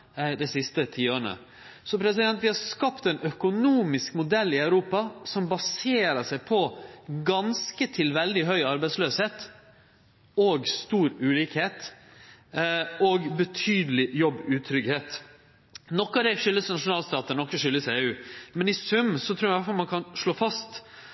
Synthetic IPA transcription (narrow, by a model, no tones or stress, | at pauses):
d̪ɛɪsɪst̪ət̪ʰiːoːɾɳə̰ | sɔpʰɾɛsɪd̪ɛnt̪ʋɪhɑɾskɑpt̪ɛnœkʊnuːmɪskmʊd̪ɛlːɪœʉɾuːpɑsɔmbɑseːɾəʂæɪpʰɔɡɑnskət̪ʰɪlʋɛld̪ɪɦœʏɑɾbæɪsløːsheːt̪ | oːɡst̪uːɾʉːliːkheːt̪ | oɡbət̪ʰyːd̪əlɪjɔbːʉːt̪ʰɾʏɡheːt̪ | nɔkːɑd̪ɛʂʏlːəsnɑʂʊnɑːlst̪ɑːt̪ənɔkːəʂʏlːəseːʉːmɛnɪsʉmsɔt̪ʰɾuːjæʋæfɑlmɑnkʰɑnʂɭoːfɑst̪